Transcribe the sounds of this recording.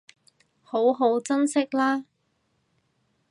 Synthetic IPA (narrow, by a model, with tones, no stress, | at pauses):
ho˨˥wɦo˨˥wt͡sɐ˥nsɪ˥k̚laː˥